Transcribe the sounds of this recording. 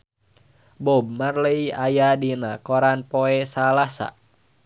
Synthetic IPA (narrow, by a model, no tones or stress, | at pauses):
bɔb̚marləiajadinakoɾanpoɛsalasa̰